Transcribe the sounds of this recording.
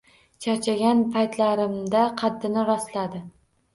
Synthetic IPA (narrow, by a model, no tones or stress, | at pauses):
t͡ʃʰat͡ʃʰaɡʲanpʰajt̪laɾɪmd̪aqʰɑd̪ːɪnɪɾɒst̪lad̪ɪ